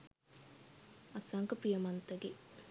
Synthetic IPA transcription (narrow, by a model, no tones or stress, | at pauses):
ɐsɐŋkɐpɾijɐmɐnt̪ɐɡe